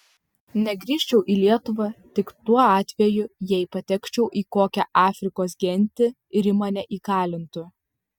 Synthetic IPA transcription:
nʲɛɡɾʲiːʃʲt͡ʃʲɛʊʔiːlʲiɛt̪ʊʋɐt̪ʲɪkt̪uɔɑːt̪ʲʋʲɛjʊjɛɪpɐt̪ʲɛkʲt͡ʃʲɛʊʔiːkoːkʲɛʔɑːfʲɾʲɪkoːs̬ɡʲɛnʲt̪ʲɪ | ɪɾɪmɐnʲɛʔiːkɑːlʲɪnt̪ʊ

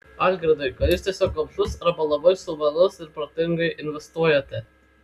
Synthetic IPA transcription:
ɑd̪ʲɡɾʲɪd̪ɐɪkɐt̪juːst̪ʲiɛsʲoːklɐmsʲʊsɾɐbɐlˠɐbɐɪsʊʋɐlʊsɪɾpɾot̪ʲɪŋɡɐɪʔɪnʲʋʲɛst̪uɔjɛt̪ʲɛ

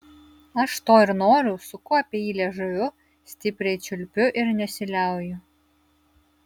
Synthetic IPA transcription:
ɐʃt̪oːɪɾnoːɾʲʊsʊkʊɐpʲiɛiːlʲɛʒɐʋʲʊ | sʲt̪ʲɪpʲɾʲɛɪt͡ʃʲʊlʲpʲʊʔɪɾnʲɛsʲɪlʲæˑʊjʊ

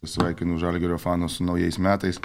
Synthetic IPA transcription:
sʋɐɪkʲɪnuʒɑlʲɡʲɛɾʲɔːfɑːnosʊnɐʊjɛɪsmʲæːt̪ɐɪs

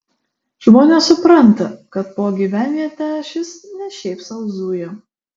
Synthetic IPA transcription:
ʒmoːnʲɛsʊpɾɐnt̪ɐkɐt̪̚poːɡʲiːʋʲæːnʲijɛt̪ʲæːʃʲɪsnʲɛʃʲɛɪpsɐʊzuːjo

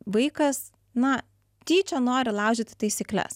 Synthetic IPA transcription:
ʋɐɪkɐs | nɐ | t̪ʲiːt͡ʃʲonoːɾʲɪlˠɑʊʒʲɪt̪ʲɪ̥t̪ɐɪsʲiklʲɛ̰s

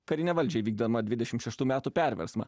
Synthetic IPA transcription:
kɐɾʲɪnʲɛʋɐlʲd͡ʒʲɛɪʋʲiːɡd̪ɐmɐd̪ʲʋʲɪd̪ʲɛʃʲɪmt̪ʃʲɛʃt̪uːmʲæːt̪uːpʲæˑɾʲʋʲɛ̰ɾsmɐ̰

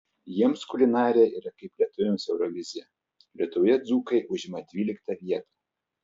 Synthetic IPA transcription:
jiɛmskʊlʲɪnɑːɾʲɪjɛiːɾɐkɐɪplʲiɛt̪ʊʋʲɪmsɛʊɾɔʋʲɪzʲjɛ | lʲiɛt̪ʊjɛd̪zuːkɐɪʔʊʒʲɪmɐd̪ʲʋʲiːlʲɪkt̪ɐʋʲiɛt̪ɐ

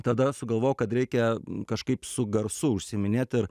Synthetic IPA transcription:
t̪ɐd̪ɐsʊɡɐlˠʋoːjʊkɐt̪ɾʲɛɪkʲɛkɐʃkɐɪpsʊɡɐɾsʊʊʃʲsʲɪmʲɪnʲeːt̪ɪɾ

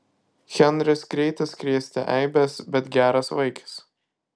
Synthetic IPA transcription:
xʲɛnɾʲɪsɡɾʲɛɪt̪ʲɐskɾʲiɛsʲt̪ʲɛ̰ʔɛɪbʲɛsbʲɛt̪ɡʲæːɾɐsʋɐɪkʰɐ̥s

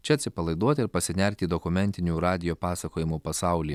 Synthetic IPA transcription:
t͡ʃʲɛɐt̪ʲsʲɪpɐlˠɐɪd̪uɔt̪ʲɪɾpɐsʲɪnʲɛɾʲt̪ʲiːd̪ɔkʊmʲɛnʲt̪ʲɪnʲuːɾɑːd̪ʲɪjoːpɑːsɐkoːjɪmuːpɐsɑˑʊlʲiː

